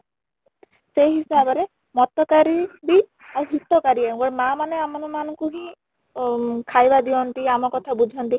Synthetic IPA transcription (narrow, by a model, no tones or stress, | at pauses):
sejɦisabɔɾe | mɔt̪ɔkaɾibi | awɦit̪ːɔkaɾiãɡɔɽmamaneamɔnɔmanɔŋkuɦĩ | kʰajbad̪iɔnt̪iamɔkɔt̪ʰabud͡ʒʱɔnt̪i